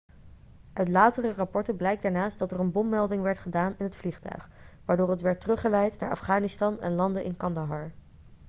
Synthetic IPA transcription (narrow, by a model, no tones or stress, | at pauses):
ʔœɥtlaːtərərɑpɔɹtəblɛjk̚daːɹnaːst̚dɑtərənbɔmːɛlˠdɪŋʋɛɹtχədaːnɪnɦətfliχtœ̰ɥχʋaːɹdʊːɹətʋɛɹtərɵχəlɛjtna̰ːɹʔɑ̰fχaːnɪstɑnɛ̰nlɑndəʔɪ̰nkɑndaɦɑɹ